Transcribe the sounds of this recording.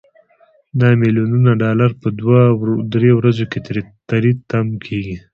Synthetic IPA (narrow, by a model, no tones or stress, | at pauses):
nɑmilijununaɖɑlaɾpəd̪wad̪ɾewɾazoket̪aɾit̪amkʰeɡi